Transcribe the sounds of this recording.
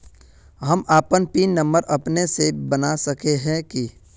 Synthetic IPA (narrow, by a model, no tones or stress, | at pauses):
ɦɐmaːpənpiːnːɐ̃mbəɾʔɐpnesebənasɐkeɦɛ̃ki